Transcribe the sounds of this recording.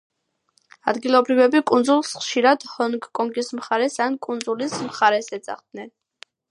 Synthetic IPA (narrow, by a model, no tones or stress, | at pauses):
a̰d̪ɡilˠɔbɾivɛbikʼund̪zulˠsχʃiɾad̪̥hɔnkːʼɔŋɡismχaɾɛsankʼund̪zulismχaɾɛsɛd̪sa̰χd̪̚nɛn